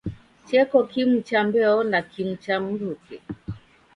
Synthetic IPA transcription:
t͡ʃɛkɔkimut͡ʃambɛɔnakim̩t͡ʃam̩ɾukɛ

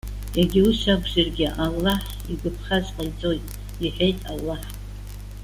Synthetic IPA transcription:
jaɡʲiuʃaɡʷʒarɡʲɪʔalːaħ | iɡʷɨpʰχazqʼajt͡sʼojtʼ | iħʷᶣe̞jtʼa̰lːaħ

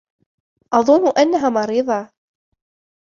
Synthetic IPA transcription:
ʔɑðˤʊnːʊʔanːaɦaːmɑɾiːðˤɑ

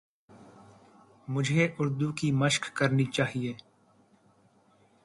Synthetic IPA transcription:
mʊd͡ʒʱeʔʊɾd̪ukiməʃkːəɾnit͡ʃaːɦieː

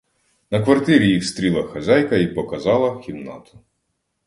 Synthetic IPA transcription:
nɐkʋɐrt̪ɪɾʲijiwst̪ɾʲilˠɐxɐzʲɑjkɐipɔkɐzɑlˠɐxʲimnɑ̰t̪ʊ̥

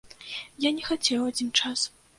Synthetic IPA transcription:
janʲɛxat͡sʲɛwad͡zʲint͡ʂas

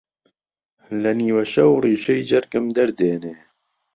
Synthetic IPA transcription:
lɐniːwɐʃɐwriːʃɛjd͡ʒɐɾkɨmd̪ɐɾd̪eːneː

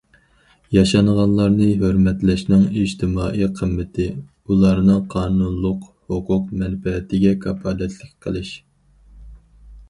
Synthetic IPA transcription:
jɑʃɑnʁɑnlˠɑɾnɨɦøɾmɛt̪lɛʃnɪŋiʒt̪ʰɪmɑːʔijqʰəmːɪt̪ʰɪ | ulˠɑɾnɨŋqʰɑːnunlˠʊq | hʊqʰʊq̚mɛnfɛːt̪ɪɡʲɛkʰɑpʰɑlɛt̪lɪkʲqʰəlˠɨʃ

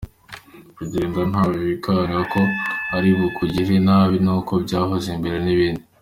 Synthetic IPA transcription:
kuɟeːndan̥haːβoβikaaniɾako̞aɾiβukuɟiʒenaːβinuko̞bɟaːɦozimbe̞ɾe̞niβiːndi

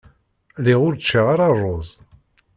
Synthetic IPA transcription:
liʁʊɾt͡ʃːiʁaɾɑrˤːozˤ

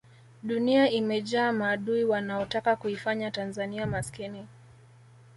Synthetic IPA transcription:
ɗuniaimɛʄaːmaːɗuiwanaɔtakakuifaɲatanzaniamaskini

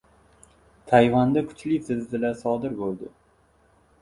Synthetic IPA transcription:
t̪ʰajvand̪akʰʊ̥t͡ʃʰlɪsɪzːɪlasɒd̪ɪɾbolˠd̪ɪ

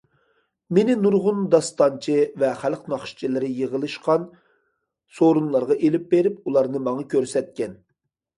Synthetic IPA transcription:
menɪnuɾʁʊnd̪ɑst̪ɑnt͡ʃʰɨvɛχælqnɑχʃt͡ʃʰilɪɾɪjəʁəlˠɨʃqɑn | soɾunlˠɑɾʁɑʔelɪp̚beɾɪp̚ulˠɑɾnɨmɑŋɑkʲʰøɾsɛt̪̚kʲɛn

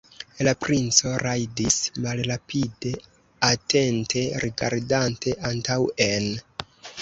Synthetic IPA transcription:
lapɾʔint͡so̞ɾajdismalɾapʰide̞ | ate̞ntʰe̞ɾʔiɡa̰ɾdantʰe̞ʔantawe̞n

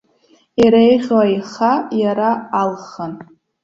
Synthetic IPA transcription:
iɾejʁʲwajχajaɾaːlχan

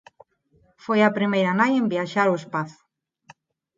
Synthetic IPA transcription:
fojapɾimejɾanajembiaʃaɾoespaθ

